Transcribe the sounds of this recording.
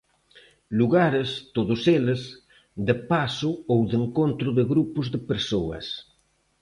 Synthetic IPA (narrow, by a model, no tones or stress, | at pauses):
luɣaɾest̪oðʊseles | d̪epasoowðeŋkont̪ɾʊðeɣɾupʊzðepeɾsoɐ̰s